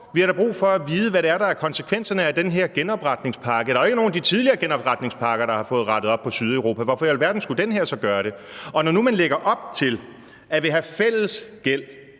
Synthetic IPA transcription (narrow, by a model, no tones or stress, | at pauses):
ʋihɑ̈ɾɑ̈b̥ʁṵːfɒæʋiːð̞ˠəʋæɾe̝æɐɾɑ̈æɐkʰɒ̽nsə̥kʰʋen̰sɐnəæd̥enɦe̝ɐ̰ɡ̥enɒ̽b̥ʁɑ̈d̥ne̝ŋspʰɑ̈ːɡ̥əd̥ɑ̈ɐe̝ɡ̥əno̝ːn̩d̥it͡sʰið̞ˠliɐːɡ̥enɒ̽b̥ʁɑ̈d̥ne̝ŋspʰɑ̈ːɡ̥ɐɾ̥ɑ̈hɑ̈fɔ̽ːð̩ˠʁɑ̈d̥ðˠɒ̽b̥̚pʰɒ̽syð̞ˠæʊʁo̝ːpʰæʋɒfɒ̽jælʋæɐd̥n̩sɡ̥ud̥enɦeɐ̰sɒ̽ɡ̥ɶːɐɾe̝ɒ̽nɒnumænleɡ̥ɐʔɒ̽b̥̚t͡sʰe̝l | æʋe̝ɦæfel̰əsɡ̥el̰